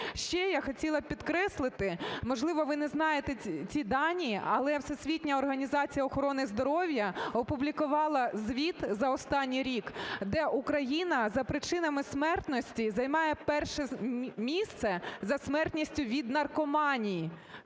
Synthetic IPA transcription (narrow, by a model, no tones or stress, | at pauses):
ʃt͡ʃɛjaxɔtʲilˠɐpʲid̪kɾɛslˠɪt̪ɪmɔʒlˠɪʋɔʋɪnɛznɑjet̪ɛt͡sʲid̪ɑnʲiʔɐlˠɛwsɛsʲʋʲitʲnʲɐɔrɦɐnʲizɑt͡sʲijɐɔxɔɾɔnɪzd̪ɔɾɔwjɐɔpʊblʲikʊʋɑlˠɐzʋʲit̪zɐɔst̪ɑnʲːijɾʲikd̪ɛʔukɾɐjinɐzɐpɾɪt͡ʃɪnɐmɪsmɛrt̪nɔsʲtʲizɐjmɑjɛpɛrʃɛmʲist̪sɛzɐsmɛrt̪nʲisʲtʲʊʋʲid̪nɐrkɔmɑnʲiji